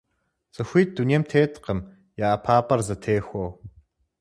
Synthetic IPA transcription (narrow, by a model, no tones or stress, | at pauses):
z̥ɐxʷiːt̚d̥unijɛmtʰeːtʰʼqəm | jaːpʰaːpʼɐrzɐtʰeːxʷow